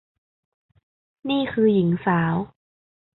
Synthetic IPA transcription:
niː˥˩kʰɯː˧ji˩˦ŋsaː˩˦w

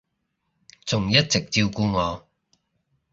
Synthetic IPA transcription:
t͡sʊ˨˩ŋjɐ˥t̚t͡sɪ˨k̚t͡siː˧wkuː˧ŋɔː˨˧

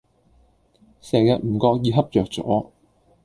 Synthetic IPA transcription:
sɛː˨jɐ˨t̚m̩ː˨˩kɔː˧k̚jiː˧ɦɐ˥p̚t͡sœː˨˩k̚t͡sɔ̰ː˨˥

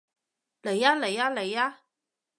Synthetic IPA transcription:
le˨˦jaː˦˥le˨˩jaː˦˥le˨˩jaː˦˥

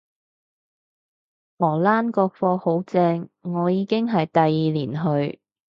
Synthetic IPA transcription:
ŋɔː˨˩laː˥nkɔː˧k̚fɔː˧ho˨˥wt͡sɛː˧ŋːɔː˨˧jiː˨˧kɪ˥ŋɦɐ˨jt̪ɐ˨jːiː˨liː˨˩nɦɵ˧ɥ

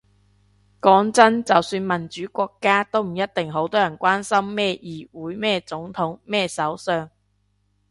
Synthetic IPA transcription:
kɔː˨˥ŋt͡sɐ˥nt͡sɐ˨wsyː˧nmɐ˨˩nt͡ʃyː˨˥kʷɔː˧kːaː˥t̪o˥wm̩˨˩jɐ˥t̚t̪ɪ˨ŋɦo˨˥wt̪ɔː˥jɐ˨˩nkʷaː˥nsɐ˥mːɛː˥˧jiː˨˩wuː˨˥jmɛː˥t͡sʊ˨˥ŋt̪ʰʊ˨˥ŋmɛː˥˩sɐ˨˥wsœː˧ŋ

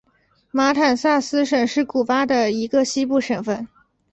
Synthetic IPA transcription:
ma˧˥t̪ʰa˨˩nsa˥˩sɹ̩˥ʂə˨˩ŋʂɻ̩˥˩ku˨˩fa˥d̪ə˨i˧˥ɡə˧ɕi˥pu˥˩ʂə˨˩ŋfə˥˩n

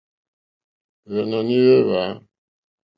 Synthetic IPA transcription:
ɣɛ˨nɔ˨ni˦ɾe˦βa˨˦

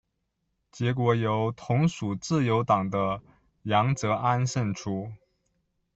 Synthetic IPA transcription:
t͡ɕjɛ˧˥k̬wɔ˧˥jo˧˥ʊt̪ʰʊ˧˥ŋʂu˨˩t͡sɹ̩˥˩jo˧˥ʊt̪ɑ˨˩ŋd̪ə˦ | jɑ˧˥ŋt͡sɤ˧˥ʔa˥nʂə˥˩nʈ͡ʂʰu˥

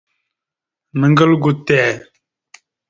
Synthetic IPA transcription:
nə˨ŋɡə˦lɡu˨tɛː˨

